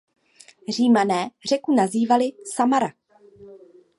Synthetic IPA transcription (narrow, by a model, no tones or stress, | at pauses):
r̝iːmanɛːr̝ɛkunaziːvalɪsamaɾa